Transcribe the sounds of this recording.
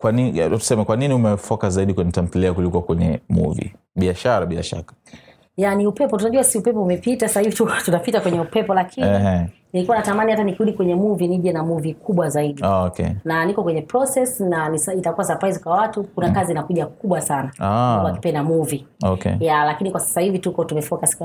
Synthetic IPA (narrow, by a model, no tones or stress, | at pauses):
kwanitu̥sɛmɛkwaniniumɛfɔkazaiɗikwɛnitam̩piliakulikwakwɛɲɛ̰mṵvḭ | ɓiaʃaɾaɓia̰ʃa̰kḁ | janiupɛpɔtunaʄuasiupɛpɔumɛpitasasahivitututapitakwɛɲɛupɛpɔlakʰiɛninilikuwanatamanihatanikuɗikwɛɲɛmuviniʄɛnamuvikuɓwazaiɗiaɔkʰɛ̰nanikɔkwɛɲɛpɾɔsɛsnanisitakuwasapɾaizikwawatukunakaziːnakuʄakuɓwasanaakwaki̥pɛndamuviɔkɛ̰jalakinikwasḁsahivitukɔtumɛfɔkask